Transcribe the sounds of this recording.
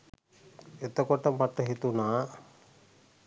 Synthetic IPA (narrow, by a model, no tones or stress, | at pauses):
et̪ːɐkɔʈːɐmɐʈ̪ːɐɦit̪una